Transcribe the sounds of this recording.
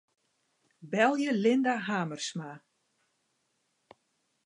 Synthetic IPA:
bɛlˠjəlɪndaɦaːmərsma

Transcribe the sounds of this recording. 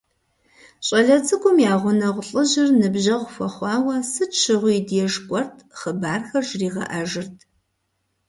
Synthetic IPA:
ɕʼɐɮɐt͡sʼɨkʷʼʊmjaːʁʷʊnɐʁʷʊɬʼɨʒɪrnɨbʑɐʁʷʊfɐχʷɑːwɐsɨt͡ʃʰɨʁʷʊjːdjɛʒkʷʼɔrtʰχəbaːrxɐrʒriːʁɐ̰ʔɐʒɨrtʰ

